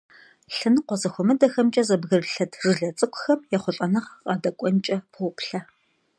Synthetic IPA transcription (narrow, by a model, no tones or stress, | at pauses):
ɬɨnɨqʷɔzɐxʷɔmɨdɐxɐmt͡ʃʼɐzɐbɣɨrɬɐtʰrɨɮɐt͡sʼɨkʷʼʊxɐmjɛχʷɔɕʼɐnɨʁqʼɑːdɐkʷʼɔnt͡ʃʼɐpʰʷʊpʰɬɐ